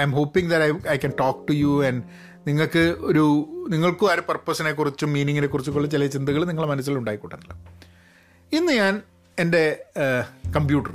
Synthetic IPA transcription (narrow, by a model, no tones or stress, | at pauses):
ajmɦoːpːiŋðɐɾɐjɐjkɐnʈoːk̚ʈujuɐnɖ | niŋːɐɭkɨoɾuniŋːɐɭkuaɾupɐrpːosɐne̞kːurit͡ɕːumːiːniŋːine̞kːurit͡ɕːukoɭːɐt͡ɕilɐt͡ɕind̪ɨɣɐɭniŋːɐɭmɐnɐs̬ːilɐluɳɖaːjikːuʈːenːulːɐ | inːɨɲaːn | e̞nde̞ | kɐmpjuːʈːɐr